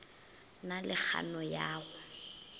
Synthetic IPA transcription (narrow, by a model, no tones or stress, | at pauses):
nalɪk͡xʰa̰nɔjaːɣʊ